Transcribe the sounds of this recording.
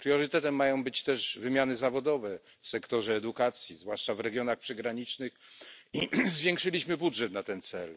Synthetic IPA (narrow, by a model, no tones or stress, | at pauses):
pɾjɔɾɘt̪ɛt̪ɛmːajɔ̃w̃bɘt͡ɕt̪ɛʐvɘmʲjanɘzavɔd̪ɔvɛ | fsɛkt̪ɔʐɛːd̪ukat̪sʲjizvwaʂt͡ʂavɾɛɡʲjɔnaxpʂɛɡɾaɲit͡ʂnɘxizvʲjɛ̃ŋkʂɘlʲiɕmɘbudʐɛt̪nat̪ɛnt̪sɛl